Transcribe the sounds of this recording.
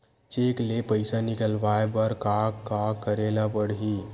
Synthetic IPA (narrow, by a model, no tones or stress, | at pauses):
t͡ʃeklepəɪsanikəlʋaebəɾkaɡkakːəɾelapəɽɦi